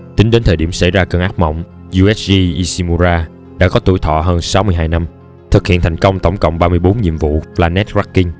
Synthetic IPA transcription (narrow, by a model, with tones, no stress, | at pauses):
t̪ï˨˦ŋ̟ɗe˨˦nt̪ʰəː˨˩ɗi˧˩əmsa̰˧˩jzaː˧kəː˧nʔaː˦˥k̚mɔ̰˧˨wŋ͡m | zu˧ʔɛ˦˥szi˧ʔi˧si˧mu˧zaː˧ | ɗa̰ː˧˥kɔ˨˦t̪u˧˩jt̪ʰɔ̰˧˨ɦəː˧nsa˨˦wmɨ˧əjɦaː˧jna˧m | t̪ʰɨ˨˩k̚hḭ˧˨ənt̪ʰa˨˩jŋ̟kə˧wŋ͡mt̪ə̰˧˩wŋ͡mkə̰˧˨wŋ͡mɓaː˧mɨ˧əjɓo˨˦nɲḭ˧˨əmvṵ˧˨vlaː˧nɛ˦˥t̚zwa˦˥kːi˧ŋ̟